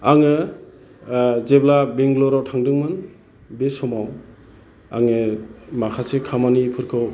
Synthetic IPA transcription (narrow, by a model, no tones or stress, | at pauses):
aŋɯ | zeblabeŋɡlɔɾawtʰaŋdɯŋmɯn | besɔmaw | a̰ŋɯmakʰasekʰamanipʰɯɾkʰɯw